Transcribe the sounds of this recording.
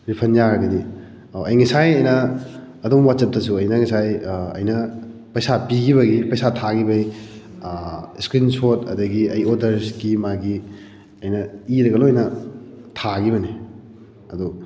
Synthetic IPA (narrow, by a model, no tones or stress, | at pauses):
ɾipʰɐnjaɾɐɡɐdi | ɐjŋisajɐjnɐː | dumwat̚sɐp̚tɐsuɐjnɐŋɐsajɐ̰jnɐ | pɐjsapiɡiβɐɡipɐjsatʰaɡibɐi | skɾinsotɐ̰dɐɡiɐjodɐɾskimaɡi | ɐjnɐiɾɐɡɐloɐjnɐtʰaɡiβɐni | ɐdu